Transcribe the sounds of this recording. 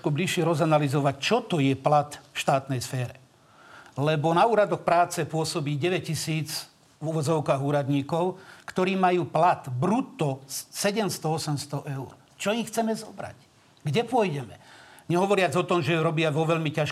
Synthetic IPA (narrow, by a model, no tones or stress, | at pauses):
kɔbliʃɪɛɾɔzanalizɔʋact͡ʃɔt̪ɔjɛplat̪fʃt̪aːt̪nɛjsfɛːɾɛ | lɛbɔnauːɾad̪ɔxpɾaːt͡sɛpʊɔsɔbiːɟɛʋɛc̚cisiːd͡z | vuʋɔd͡zɔʊkaːɣuːɾad̪ɲiːkɔʊkt̪ɔɾiːmajuːplat̪bɾut̪ːɔsɛɟɛmst̪ɔɔsɛmst̪ɔʔɛʊɾ | t͡ʃɔjixt͡sɛmɛzɔbɾa̰c | ɡɟɛpʊɔjɟɛmɛɲɛɦɔʋɔɾɪad͡zɔt̪ɔmʒɛjɾɔbɪaʋɔʋɛʎmicaʃ